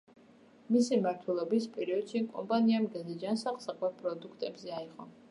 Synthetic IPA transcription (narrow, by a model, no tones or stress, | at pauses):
misimaɾt̪ʰwɛlˠɔbispʼɛɾiɔd̪̥ʃikʼɔ̰mpʼaniamɡɛzɛd͡ʒansaχlˠsaqʼlɛpʼɾɔd̪ukʰt̪ʼɛbzɛaiʁʼɔ